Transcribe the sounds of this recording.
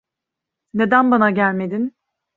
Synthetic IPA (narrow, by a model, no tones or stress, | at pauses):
ne̞d̪ænbanaɟælʲme̞d̪in